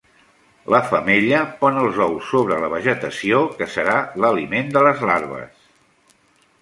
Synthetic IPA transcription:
lʔəfəmeʎəpɔnəlˠzɔwsːoβ̞ɾələβ̞əʒət̪əsiokəsəɾaləlimend̪ələzlaɾβ̞ə̰s

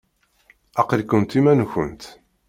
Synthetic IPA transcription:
æqəlkːənt̪imænçə̰nt̪

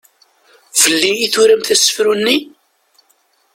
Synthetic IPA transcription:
vəlːiiθuɾæmθæsə̥fɾunːi

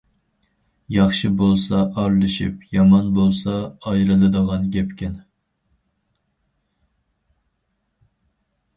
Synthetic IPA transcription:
jɑχʃɨbolˠsɑʔɑɾlˠɨʃḭp̚jɑmɑnbolˠsɑːjɾɨlˠɨd̪əʁɑnɡʲɛpkʲɛn

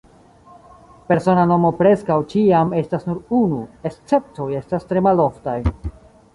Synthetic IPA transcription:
pe̞ɾso̞nano̞mo̞pɾe̞skawt͡ʃiame̞stasnuɾunuest͡se̞p̚to̞je̞stastɾe̞malo̞ftaj

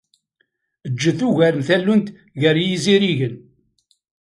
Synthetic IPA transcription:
əd͡ʒːəθuʝæɾənθælːunt̪ | ʝəɾjiziɾiʝən

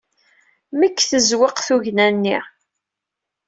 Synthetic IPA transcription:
məkːθəzweqθuʝnænːiʁ

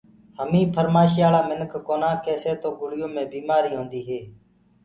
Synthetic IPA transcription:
həmĩːpʰəɾmaːʃɪjaːlaːmɪnəkʰkoːnãːkeːseːt̪oːɡʊɽɪjõːmẽːbiːmaːɾiːɦõːnd̪iːɦeː

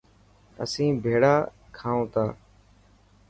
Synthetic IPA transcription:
ə̰sĩːbʱeːɽaːkʰaːõːt̪aː

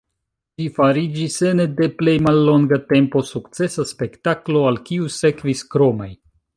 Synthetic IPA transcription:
d͡ʒifaɾid͡ʒisenede̞ple̞jmalːo̞ŋɡate̞mpo̞sukt͡se̞saspe̞ktaklo̞alkiuse̞kviskɾo̞maj

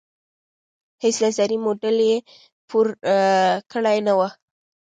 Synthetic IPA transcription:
hesnazaɾimoɖalje | pʰuɾ | kəɽajnawa

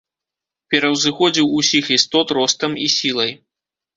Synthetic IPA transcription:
pʲɛɾɐwzɨxɔd͡zʲiwusʲixist̪ɔt̪ɾɔst̪ɐmisʲilˠɐj

